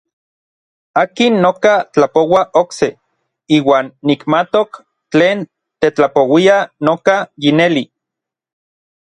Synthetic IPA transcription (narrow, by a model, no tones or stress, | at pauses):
aːkinːokat͡ɬapowaʔokse | iːwaːnːikmat̪ok | t͡ɬeːn | t̪et͡ɬapowianokajineli